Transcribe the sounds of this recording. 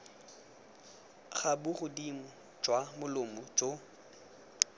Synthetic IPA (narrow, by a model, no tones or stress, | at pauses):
χabʊχʊdim̩ | d͡ʒʼwamʊlʊmɔt͡ʃo